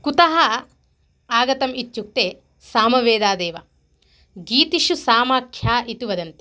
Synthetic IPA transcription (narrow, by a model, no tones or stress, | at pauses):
kut̪ɐɦɐ | aːɡɐt̪ɐmit̪ːt͡ʃuk̚t̪eː | saːmɐʋeːd̪aːd̪eːʋɐ | ɡiːt̪iʃusaːmaːkʰjaːʔit̪uʋɐd̪ɐnt̪e̥